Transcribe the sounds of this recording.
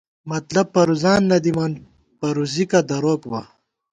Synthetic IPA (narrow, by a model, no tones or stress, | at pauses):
mɐt̪lɐb̚pɐɾuzaːnːɐd̪imɐn | pɐɾuzikɐd̪ɐɾoːkbɐ